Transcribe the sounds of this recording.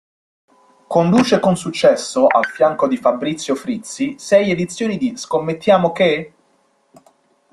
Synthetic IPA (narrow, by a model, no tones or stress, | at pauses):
kond̪uːt͡ʃekonsut͡ʃːɛsːoʔa̰lfjaŋkod̪ifabːɾit̪sːjofɾit̪sisɛjed̪it̪sːjoːnid̪iskomːet̪ːjaːmoke